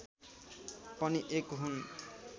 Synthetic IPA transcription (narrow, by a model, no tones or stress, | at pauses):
pɔniʔekɦun